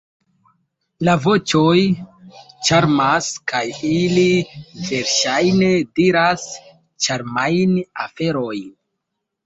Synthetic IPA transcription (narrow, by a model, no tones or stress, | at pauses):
lavo̞t͡ʃoj | t͡ʃaɾmaskʰajilive̞ɾʃajnediɾas | t͡ʃaɾmajnafe̞ɾo̞jn